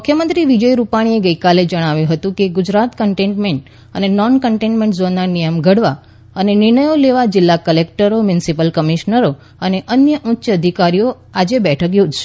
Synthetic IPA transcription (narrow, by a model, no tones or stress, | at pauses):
mukʰjəmənt̪ɾiʋid͡ʒəjɾupaɽ̃ieɡəjkaled͡ʒəɽ̃aʋjũɦət̪ũkeɡʊd͡ʒɾat̪kəɳʈẽɳʈmeɳʈ | ənenɔnkəɳʈẽɳʈmẽɳʈzonːanijəmɡʱəɽʋa | ənenɪɾɳəjoleʋad͡ʒɪlːakəlekʈəɾomjʊnsipəlkəmiʃnəɾo | əneʔənjəʔʊtːʃəəd̪ʱikaɾijo | ad͡ʒebɛʈʰəkjod͡ʒʃe̥